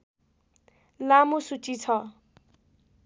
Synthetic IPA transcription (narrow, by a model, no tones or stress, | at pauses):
lamosut͡sit͡sʰʌ